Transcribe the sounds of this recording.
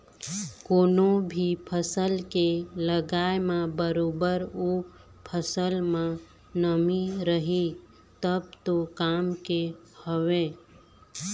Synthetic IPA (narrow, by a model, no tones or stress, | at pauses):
koːnõbʱipʰəsəlkeləɡaːemãbəɾoːbəɾo | pʰəsəlmã | nəmiɾəɦi | t̪əbt̪okaːmkehəwe